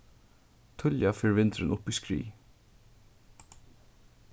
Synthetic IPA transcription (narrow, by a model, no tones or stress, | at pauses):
t̪ʰʊljafɛːɹvɪnt̪ɾɪnʔʊpiskɹḭː